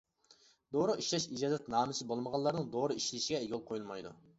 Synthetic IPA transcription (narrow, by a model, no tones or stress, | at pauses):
d̪oɾʊiʃlɛʃid͡ʒɑːzɛt̪nɑːmɨsɪbolˠməʁɑlˠːɑɾnɨŋd̪oɾɨiʃlɪʃiɡʲɛeɡʲolˠqʰojulˠmɑjd̪ṵ